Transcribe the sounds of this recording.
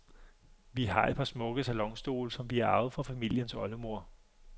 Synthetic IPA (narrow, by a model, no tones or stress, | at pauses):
ʋiɦɑ̈ed̥̚pʰɑ̈smɔ̽ɡ̥əsælɒ̽ŋsd̥o̝̰ːlsɒ̽mʋiæɐɑ̈ʊð̩ˠfɒ̽fæmil̰jənsɒ̽ləmo̝ɐ̰